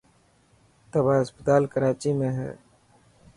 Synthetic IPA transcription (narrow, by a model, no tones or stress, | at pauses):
t̪əbaːɦəspət̪aːlkəɾaːt͡ʃimẽɦɛ̰ː